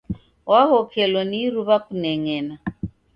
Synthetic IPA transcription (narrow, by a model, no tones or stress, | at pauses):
wahɔkʰɛlɔniɾuβakunɛŋɛːna